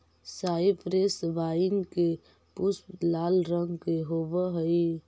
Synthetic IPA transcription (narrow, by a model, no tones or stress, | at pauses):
saipɾesʋaɪnke | pusplaːlɾəŋɡkeɦobəɦəi